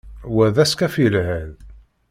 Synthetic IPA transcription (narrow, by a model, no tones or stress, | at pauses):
wæðæskæfilhæð